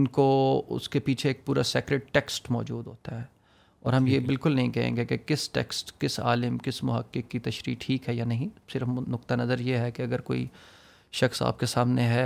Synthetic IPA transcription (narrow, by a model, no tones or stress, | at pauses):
ɪnkoʊ̰skepiːt͡ʃʰeeːk̚puːɾaseːkɾeːɖ̚ʈɛksʈmɔ̰ːd͡ʒṵːd̪ɦoːt̪aɦɛː | ɔ̰ːɾɦɐmjebɪlkʊlnɐɦĩkɛɦḛ̃ːŋɡekekɪsʈɛ̰ksʈkɪsa̰ːlɪmkɪsmʊɦəkːɪkːit̪ɐʃɾḭːʈʰːiːkɦɛjanɐɦĩsɪɾfnʊk̚t̪anɐzəɾjeɦɛkeɐɡəɾko̰ːḭ | ʃɐxsa̰ːp̚kesaːmneɦɛː